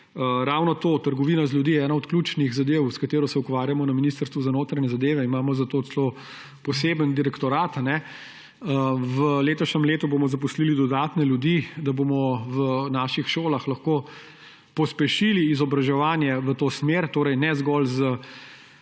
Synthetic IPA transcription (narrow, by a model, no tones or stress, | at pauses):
əɾaːwnɔt̪oːt̪əɾɡɔʋinazlʲjud̪iːɛɛːnaɔt̪kluːt͡ʃniɣzad̪eːwskat̪eːɾɔsɛukʋaːɾjamɔnɐminist̪əɾst̪ʋuzanoːt̪ɾaɲɛzad̪eːʋɛimaːmɔzat̪oːt͡s̪ɛlo | pɔseːbənd̪iɾɛkt̪ɔɾaːt̪anɛ | əʋəleːt̪ɔʃnɛmleːt̪ubomɔzapuslilid̪ɔd̪aːt̪nɛlʲjud̪id̪abomɔʋənaːʃixʃoːlaxlɐxkoː | pɔspɛʃiliːzɔbɾaʒɛʋaːnjɛʋət̪oːsmeɾt̪oːɾɛjnɛzɡɔlzə